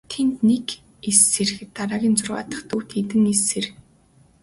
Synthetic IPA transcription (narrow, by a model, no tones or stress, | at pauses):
t̪ʰent̪nek | esːerxɘ̆t̪ːaɾaːɣʲiːnt͡sʊrʁa̰ːt̪ə̆χt̪ʰuːwt̪ʰet̪ɘ̆ŋeser̆x